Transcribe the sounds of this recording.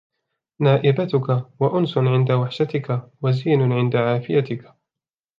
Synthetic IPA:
naːʔɪbat̪ʊkawaʔʊnsʊʕɪnd̪awaħʃat̪ɪkawaziːnʊʕɪnd̪aʕaːfɪjat̪ɪka

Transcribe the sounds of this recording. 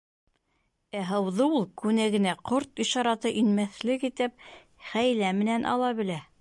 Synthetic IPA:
æɦɤ̆wðɤulˠkʉnæɡɘ̆næqoɾt̪iʃɑɾɑt̪ɤʔinmæθlɘkit̪ɘp̚ | χæjlæmɘ̆nænʔɑ̰lˠɑβɘ̆læ

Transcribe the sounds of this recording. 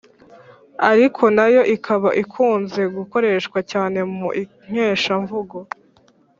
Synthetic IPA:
aɾikʰo̞najo̞ʔikʰaβaʔikʰuːnze̞ɡuko̞ɾe̞ːʃkwacaːne̞muʔi | ɲ̥eːʃaɱvuɡo

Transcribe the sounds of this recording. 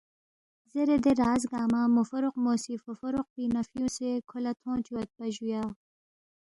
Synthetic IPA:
zeɾed̪eɾaːzɡaːmamʊfɐɾʊqmoːsifofɐɾʊq̚binɐfjũːsekʰʊlɐt̪ʰõːt̪uwɐt̪̚bɐʑujaː

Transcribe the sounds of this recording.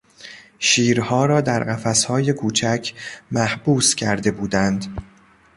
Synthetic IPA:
ʃiːɾhɒːɾɒːd̪æɾɢæfæshɒːje̞kʰuːt͡ʃʰæcʰmæhb̥uːscʲʰæɾd̪e̞buːd̪ænd̪

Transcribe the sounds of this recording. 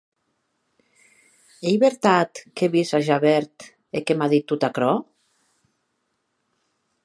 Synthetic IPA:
ejβeɾt̪at̪keβizaʒaβɛɾt̪ | ekemaðit̪ːut̪akɾɔ

